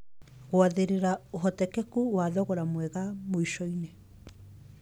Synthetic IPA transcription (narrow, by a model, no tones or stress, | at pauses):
ɣoaðeɾeɾaoɦɔtɛkɛkuwaðɔɣoɾamwɛɣamoiʃɔine